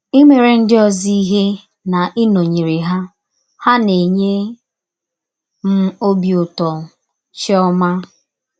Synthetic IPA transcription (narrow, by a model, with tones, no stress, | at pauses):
i˦me˨ɾe˨n̩˦dɪ˦ɔ˨zi˦i˦ɦe˦ | na˨ʔi˦no˨ɲe˨ɾi˨ɦa˦ | ha˦ne˨ɲe˦ | m̩˦o˦bjʊ˨tɔ˨ | t͡ʃɪ˦ɔ˦ma˦